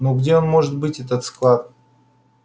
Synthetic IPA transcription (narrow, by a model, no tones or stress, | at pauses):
noɡdʲeo̞nmo̞ʐɨt̪̚bɨtʲɛt̪ət̪sklˠat̪̚